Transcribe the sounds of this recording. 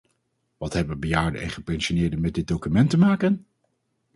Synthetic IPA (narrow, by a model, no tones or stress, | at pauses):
ʋɑtɦɛbəʋəbəjaːɹdə̰ɛ̰nχəpɛnʃonɪːɹdənmɛdɪd̚dokymɛntəmaːkən